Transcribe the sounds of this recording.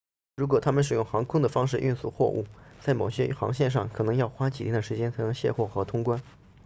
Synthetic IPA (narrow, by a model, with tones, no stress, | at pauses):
ɻu˧˥k̬wɔ˨˩t̪ʰa˥mə˨nʂɻ̩˨˩jʊ˥˩ŋxɑ˧˥ŋkʰʊ˥ŋd̪ə˨fɑ˥ŋʂ̬ɻ̩˥˧ʔy˥˧nsu˥˩xwɔ̰˥˧ʔṵ˥˩t͡sa˥˩ɪmo˨˩ʊɕjɛ˥xɑ̰˧˥ŋɕjɛ˥˧nʂɑ̰˥˩ŋkʰɤ˨˩nɤ˧˥ŋjɑ˥˩ʊxwa˥t͡ɕi˨˩ɛ˥d̪ə˩ʂɻ̩˧˥t͡ɕjɛ˥nt͡sʰa˧˥nɤ˧˥ŋɕjɛ˥˧xwɔ˥˩xɤ˧˥t̪ʰʊ˥ŋkwa˥n